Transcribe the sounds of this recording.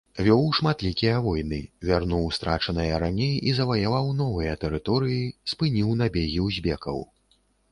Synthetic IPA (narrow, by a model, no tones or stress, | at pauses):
vʲɔwʂmat̪lʲikʲijɐvɔjnɨvʲarnuwst̪ɾa̰t͡ʂɐnɨjɐɾanʲejizɐvɐjavawnɔvɨjɐt̪ɛɾɨt̪ɔɾɨjispɨnʲiwnabʲeɣʲiwzʲbʲɛkɐ̰w